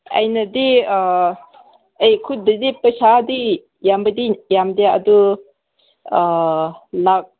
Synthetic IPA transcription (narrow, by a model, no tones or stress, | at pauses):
ɐ̰jnɐdi | ejkʰudədipəsadi | jambədijamdjaa̰du | lak̚